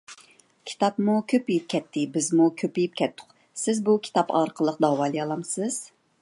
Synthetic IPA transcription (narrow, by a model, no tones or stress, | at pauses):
kʲʰi̥t̪ʰɑpmukʲʰøpijip̚kʲʰɛt̪ʰːɪbɪzmukʲʰøpijip̚kʲʰɛt̪ʰːʊ̥q | sɪzbukʲʰi̥t̪ʰɑpɑ̰ɾqʰəlˠəq̚d̪ɑwɑːlˠɨjɑlˠɑmsɨz̥